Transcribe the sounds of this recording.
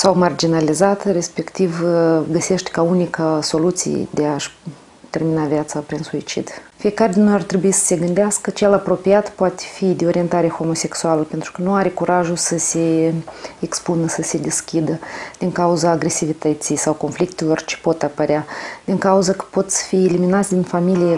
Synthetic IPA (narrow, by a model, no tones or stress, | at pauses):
sawmard͡ʒinalizat̪re̞spe̞kt̪ivɡəse̞ʃt̪ʲkaunikaso̞lut̪sḭjḛd̪eaʃ | t̪e̞rminavjat̪sapɾinsuit͡ʃḭd̪fije̞kaɾed̪ʲinojart̪ɾe̞buisə̥se̞ɡɨnd̪easkət͡ʃe̞lapɾo̞piat̪poat̪e̥fid̪eo̞ɾie̞nt̪aɾexo̞mo̞se̞ksualəpe̞nt̪ɾu̥kənuaɾekuɾaʒusəse̞ | ekspunəsəse̞d̪eskʲid̪əd̪̥iŋkauzaːɡɾe̞sivit̪ət̪sijsawko̞nflik̚t̪elo̞rt͡ʃe̥po̞t̪apəɾead̪̥iŋkauzəkə̥po̞t̪sʲfieliminat̪sʲd̪ʲinfamilije